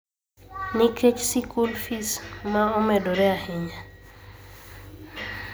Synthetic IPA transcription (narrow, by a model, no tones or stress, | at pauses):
nɪket͡ʃsikulfismaomɛdoɾɛahɪɲa